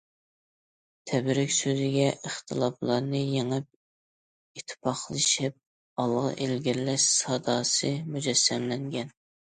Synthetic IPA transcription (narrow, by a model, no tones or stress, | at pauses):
t̪ʰɛbɾɪkʲsøzɪɡʲɛʔəχt̪ʰɨlˠɑplˠɑɾnɨjeŋɨp̚ | it̪ʰːɪ̥pʰɑχlˠɨʃɪp̚ | ɑlˠʁɑ̰ʔelɡʲiɾlɛʃsɑd̪ɑːsɨmud͡ʒɛsːɛmlɛŋɡʲɛn